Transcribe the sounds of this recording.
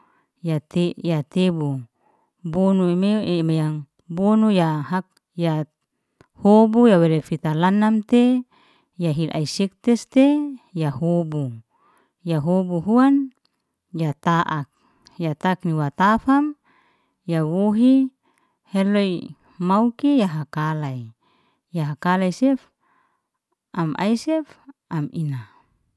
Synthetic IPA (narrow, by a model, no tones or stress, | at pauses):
jat̪ejat̪ebu | bonuemeʔemejaŋ | bonujaɦak̚ | ja | hobujawelefit̪alanamt̪e | jaɦilʔa̰isik̚t̪ɛst̪ejahobu | jaɦobuɦuan | jat̪aʔak̚ | jat̪akniwat̪afam | jawoɦi | hɛloi | maukijaɦakalai | jaɦakalajsɛf | ʔamʔa̰jsɛfamḭna